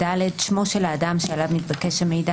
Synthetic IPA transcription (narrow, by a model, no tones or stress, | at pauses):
daledʃmo̞ʃelaːdamʃealavnitbakeʃame̞jda